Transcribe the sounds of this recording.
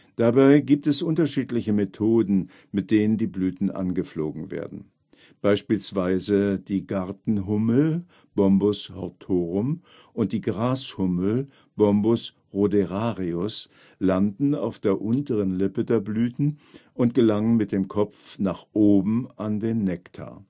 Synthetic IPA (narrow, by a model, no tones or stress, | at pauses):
d̥abaɪɡiːp̚tɛsʔʊntɐʃiːtlɪçəmetʰoːdn̩ | mɪt̚d̥eːnəndiːblyːtn̩ʔa̰nɡəfloːɡŋ̩vḛːɐdn̩ | b̥aɪʃpiːlsv̥aɪzəd̥iːɡaʁtn̩ɦʊml̩ | b̥ɔmbʊshɔ̰ʁtʰoːʁʊm | ʔʊnt̚d̥iːɡʁaːshʊml̩ | b̥ɔmbʊs | ʁodeʁaːʁiʊs | landn̩a̰ʊfd̥eːɐʔʊntəʁənlɪpədeːɐblyːtn̩ʊntɡ̥əlaŋənmɪt̚d̥eːmkʰɔp͡fnaːχʔoːbm̩ʔandeːnːɛktʰa̰ɐ